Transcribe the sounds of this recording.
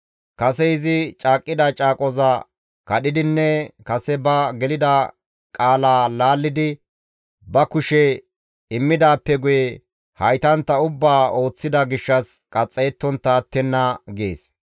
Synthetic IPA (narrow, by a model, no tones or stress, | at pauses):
kɐsɛɪzɪt͡ʃʼaːkʼːɪd̪ɐt͡ʃʼaːkʼɔzɐ | kɐɗɪd̪ɪnːɛkɐsɛbɐɡɛlɪd̪ɐ | kʼaːlaːlaːlːɪd̪ɪ | bɐkʊʃɛ | ɪmːɪd̪aːpːɛɡʊjɛ | hɐjt̪ɐnt̪ːɐʊbːaːo̞ːt͡sːɪd̪ɐɡɪʃːɐskʼɐt͡sʼːɛːt̪ːɔnt̪aːt̪ːɛnːɐɡḛːs